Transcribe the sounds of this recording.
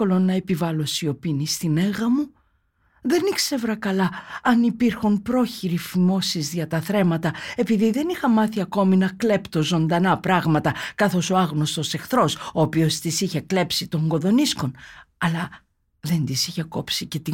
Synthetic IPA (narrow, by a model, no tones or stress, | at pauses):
o̞lo̞nɐepivɐlo̞sio̞pinist̪ine̞ɣɐmu | ðe̞nikse̞vɾɐkɐlɐɐnipiɾxunpɾo̞çiɾifimo̞sizðʝɐt̪ɐθɾe̞mɐt̪ɐe̞piðiðe̞nixɐmɐθiɐko̞minɐkle̞pt̪o̞zo̞nd̪ɐnɐpɾɐɣmɐt̪ɐkɐθo̞so̞ɐɣno̞st̪o̞se̞xθɾo̞soːpio̞st̪isiçe̞kle̞psit̪o̞ŋɡo̞ðo̞nisko̞nɐlɐ | ðe̞nd̪isiçeko̞psitce̞t̪i